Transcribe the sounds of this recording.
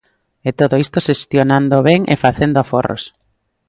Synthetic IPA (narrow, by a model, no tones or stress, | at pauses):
et̪oðoist̪oʃest̪jonand̪oβɛŋʔḛfaθend̪oaforo̰s